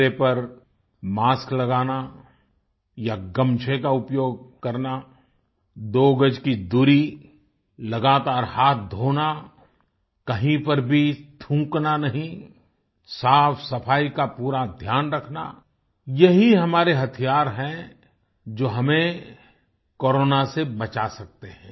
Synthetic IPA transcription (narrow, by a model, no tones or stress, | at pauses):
ɾepɐɾ | maːsklɐɡaːna | jaɡɐ̃mt͡ʃʰekaʊpjoːɡ̚kɐɾna | d̪oːɡəd͡ʒkid̪uːɾi | lɐɡaːt̪aːɾhaːt̪̚ʰd̪ʱoːna | kɐɦĩpɐɾbʱit̪ʰũːknanɐɦĩ | saːfsɐfʰaːikapuːɾad̪ʱjaːnɾɐkʰna̰ | jɐɦiɦɐmaːɾeɦɐt̪ʰijaːɾɦɛ̃ | d͡ʒoːɦɐmẽ | koːɾoːnasebɐt͡ʃasɐk̚t̪eɦɛ̃ː